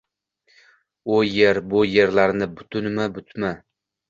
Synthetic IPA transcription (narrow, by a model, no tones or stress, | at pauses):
ʊjeɾbʊje̞ɾlaɾnɪbʊt̪ʰʊnmabʊt̪ʰma